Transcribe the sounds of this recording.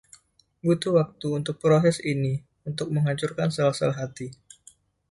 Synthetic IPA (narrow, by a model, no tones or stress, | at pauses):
but̪uwak̚t̪uːnt̪ʊk̚pɾosɛsini | unt̪ʊk̚məŋaɲt͡ʃurkansalahsalaɦat̪i